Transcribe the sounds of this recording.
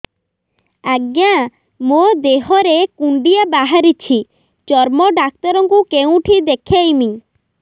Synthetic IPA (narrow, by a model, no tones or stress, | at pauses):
aɡjã | mod̪eɦɔɾekuɳɖiabaɦaɾit͡ʃʰi | t͡ʃɔɾmɔɖak̚t̪ɔɾɔŋkukeũʈʰid̪ekʰajmi